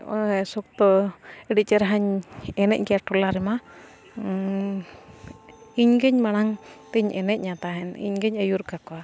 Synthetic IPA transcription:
sɔk̚t̪ɔɛɖit͡ʃɛɾaɦaɲɛnɛʔ̚ɡiaʈɔlaɾɛma | iɲɡəɲmañaŋt̪ɛɲʔɛnɛʔ̪̚ɲat̪aɦɛnḭɲɡɛɲəjuɾkakɔa

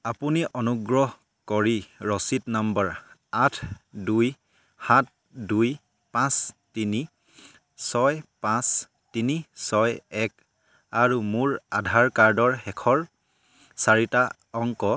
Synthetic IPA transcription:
apuniʔɔnuɡɹɔɦ | kɔɹiɹɔsitnambəɹatʰduj | hat̚ | duj | pãstini | sɔjpãs | tinisɔjɛk̚ | aɹumuɹadʱaɹkaɹdɔɹxɛkʰɔɹ | saɹita | ɔŋkɔ

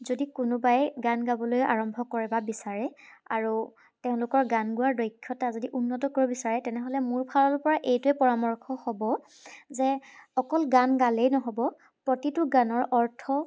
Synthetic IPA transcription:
zodikʊnʊbajɡanɡabɔlojʔa̰ɹɔmbʱɔkɔɹɛbabisaɹɛa̰ɹu | teʊ̃lʊkɔɹɡanɡuaɹdɔjkʰːɔtazodiʔunːɔtɔkoɹɔbisaɹɛtɛnɛɦɔlɛmuɹpʰalɔɹpɔɹaʔejtʊɛpɔɹamɔɹkʰɔhɔbɔ | zɛɔkɔlɡanɡalejnɔɦɔbɔ | pɹotitʊɡanɔɹʔɔɹtʰɔ

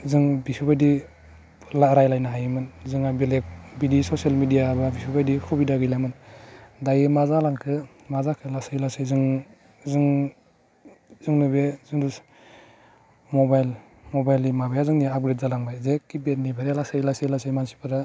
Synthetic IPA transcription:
zɯŋbipʰibajdi | laɾajlajnaɦajɯmɯnzɯŋabelek̚bidisosialmidijababipʰibajdikʰubidaɡɯjlamɯndajɯmazalaŋkʰɯ | mazakʰɯlasajlasɯjzɯŋ | zɯŋ | zɯŋnubezɯŋdus | mobajl | mobajlimabajazɯŋniab̚ɡɾet̚zalaŋbajzekːibet̚nibʰʱaɾalasajlasejlasajmansi̥pʰɯɾa

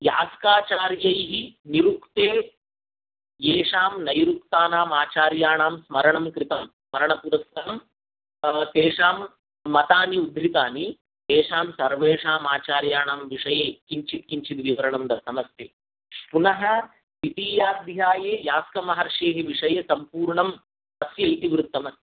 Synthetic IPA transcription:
ja̰ːskaːt͡ʃaːɾjɐjɦiniɾukt̪eː | jeːʂaːmnɐjɾukt̪aːnaːmaːt͡ʃaːɾjaːɳaːmsmɐɾɐɳɐmkɾit̪ɐmsmɐɾɐɳɐpuːɾɐst̪ɐɐm | t̪eːʂaːmː | ɐt̪aːniud̪ʱɾit̪aːni | t̪eːʂaːmsɐɾʋeːʂaːmaːt͡ʃaːɾjaːɳaːmʋiʂɐjeːkiɲt͡ʃit̪̚kiɲt͡ʃit̪ʋiʋɐɾɐɳɐmd̪ɐsɐmɐsteː | punɐɦɐ̆ | it̪iːjaːd̪ʱjaːjeːjaːskɐmɐɦɐɾʂeːɦiʋiʂɐjɐsɐmpuːɾɳɐm | ɐsjɐjt̪iʋɾut̪ːɐmɐ

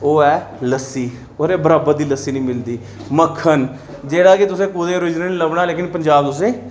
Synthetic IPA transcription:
oːɛːləsiː | oːɾeːbəɾaːbəd̪iːləsiːnəĩːmɪld̪iː | məkʰːən | d͡ʒeːɽaːkɪt̪ʊsẽːkud̪ẽːɾʊd͡ʒnəniləbɳaːleːkɪnpəɲd͡ʒaːbt̪ʊsẽː

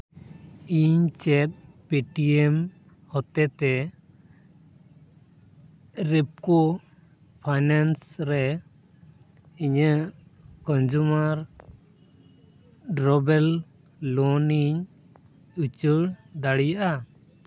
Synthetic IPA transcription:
iɲt͡ʃɛt̪̚ | piʈiɛm | hɔt̪ɛt̪ɛ | ɾɛp̚kɔ | pʰajnansɾɛ | iɲəʔkɔnd͡ʒumaɾ | ɖɾɔbɛl | lɔniɲ | ut͡ʃuɽd̪aɽijaʔa

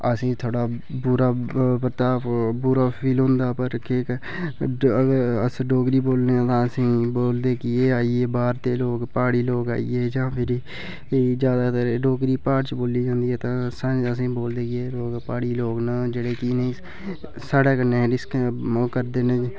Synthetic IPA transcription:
əsĩːt̪ʰoːɽaːbʊɾaːpəɾt̪aːbʊɾaːpʰiːlɦʊ̃nd̪aːpəɾkeːk | əɡəɾəsɖoːɡɾiːboːlneːãːt̪ãːəsĩːboːld̪eːkɪeːaːiːeːbaːɾt̪eːloːɡpaːɽiːloːɡa̰ːḭːeːd͡ʒãːpʰɪɾi | d͡ʒjaːd̪aːt̪əɾeɖoːkɾiːpaːʈt͡ʃboːliːd͡ʒãːnd̪iːɦɛːt̪ãːsãəsĩːboːld̪eːkɪeːloːɡpaːɽiːloːɡnaːd͡ʒeːɽeːkinĩː | saːɽɛːkəneːɾɪskkəɾd̪eːnẽ

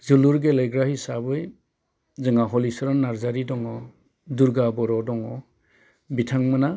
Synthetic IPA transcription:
zuluɾɡelejɡɾahisabɯj | zɯŋaɦɔlisɔɾɔnːaɾzaɾidɔŋɔ | duɾɡabɔɾɔdɔŋɔ | bitʰaŋmɯna

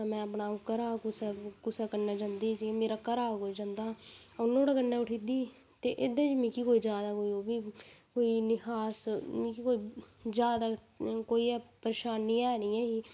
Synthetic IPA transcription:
amɛ̃ːəpnaːʊkəɾaːkʊsakʊsaːkəɾnaːd͡ʒãnd̪iːt͡ʃimeːɾaːkəɾaːkoːiːd͡ʒãːnd̪aː | ʊnõːɽaːkənːɛːʊʈʰiːd̪iː | t̪eːʔɪd̪ẽd͡ʒmĩːkiːkoːiːd͡ʒjaːd̪aːkoːiːoːbiːkoːiːnɪkaːsmĩːkikoːiːd͡ʒjaːd̪aː | koːiːɛːpəɾeːʃaːnːiːɛːniːɛ̃ːɦiː

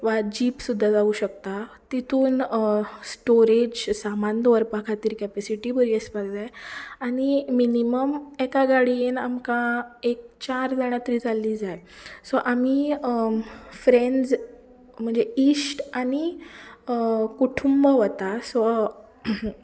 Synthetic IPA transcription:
ʋad͡ʑiːpsud̪ʱːad͡zauɕəkt̪at̪it̪ʰuːnsʈoɾed͡ʑsamand̪ʋəɾpakʰat̪iːɾkɛpɛsiʈibəɾiəspaɡd͡zajaɽ̃iminiməmekaɡaɽinamkaek̚t͡ɕaɾd͡zəɽ̃at̪ɾiːd͡zalːid͡zajsɔʔami | fɾend͡z | m̤əɳd͡zeiːsʈani | kuʈʰumbəʋət̪asɔ

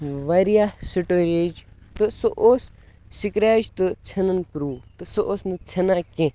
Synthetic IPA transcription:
ʋaɾijaːsiʈoːɾʲed͡ʒt̪ɨsoʔoːs | sikɾʲaːd͡ʒt̪ɨt͡sʰɐnɐnpɾuːt̪ɨsoʔoːsnɨt͡sʰɐnaːkẽ

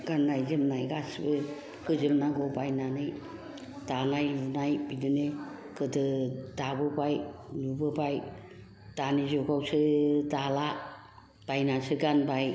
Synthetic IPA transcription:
ɡ̥anːajzɯmnajɡasbɯ | pʰɯzɯmnaɡɔbajnanɯj | d̥anajlunajbidɯne | kɯdɯdabɯbajlubɯbaj | d̥anizɔɡawsɯdala | b̥ajnasɯɡanbaj

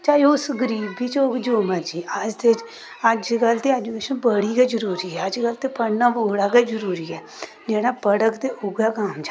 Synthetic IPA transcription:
t͡ʃaːjoʊsɡəɾiːbiːt͡ʃoːkd͡ʒoːmaːd͡ʒiːʔəd͡ʒd̪et͡ʃ | əd͡ʒɡəlt̪eːad͡ʒukeːʃənbəɽiːɡaːd͡ʒəɾuːɾiːɦɛːəd͡ʒɡəlt̪eːpəɽnaːʋoːɽaːɡaːd͡ʒəɾuːɾiːɛː | d͡ʒeːɽaːbəɽəkt̪eːʔʊɡaːkaːmd͡ʒa

